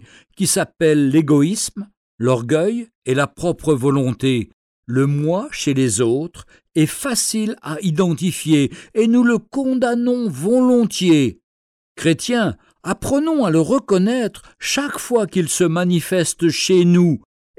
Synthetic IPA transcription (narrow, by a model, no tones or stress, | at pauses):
kʲisapɛlːeɡɔism | lɔʁɡʲœj | elapχɔpχəvɔlɔ̃t̪e | ləmwaʃelezot̪χ | ɛfasilaid̪ɑ̃t̪ifjeenuləkɔ̃d̪anɔ̃vɔlɔ̃t̪je | kχet̪jɛ̃ | apχənɔ̃aləʁəkɔnɛt̪χ | ʃakfwakilsəmanifɛst̪ʃenu